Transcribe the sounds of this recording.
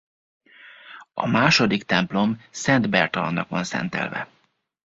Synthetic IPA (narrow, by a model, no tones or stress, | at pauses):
ɒ̰maːʃo̞d̪ikt̪ɛmplo̞msɛnd̪bɛrt̪ɒlɒnːɒkʋɒnsɛ̰nt̪ɛ̰lvɛ̰